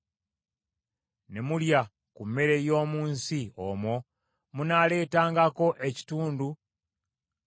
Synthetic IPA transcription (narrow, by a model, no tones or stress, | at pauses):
ne̞mulja | kumːe̞ɾe̞jo̞ːmuːnsiomwo̞ | munale̞ːtaːŋɡako̞ʔe̞ci̥tuːndu